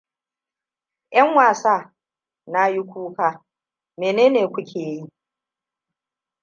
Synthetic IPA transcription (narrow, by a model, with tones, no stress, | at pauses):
ʔɐ˦ŋwaː˨saː˦ | na˦ji˦kʷuː˦kaː˦ | meː˨neː˦neː˨kʷʊ˦kʲʰeː˨ji˦